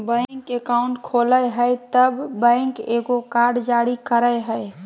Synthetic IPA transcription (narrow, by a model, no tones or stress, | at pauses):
bə̃ŋkekaʊ̃ɳʈkʰoləjɦəjt̪əbːə̃ɪŋkeɡokaɾɖd͡ʒaɽikəɾəjɦəj